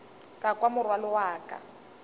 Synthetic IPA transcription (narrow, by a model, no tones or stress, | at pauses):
kʼakwamʊrwalɔwaːkʼa̰